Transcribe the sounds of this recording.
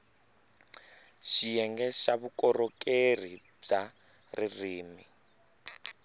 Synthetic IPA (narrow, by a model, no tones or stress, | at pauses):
ʃijɛŋɡɛʃaβukɔɾɔkeri | b͡ʐa | ririːmi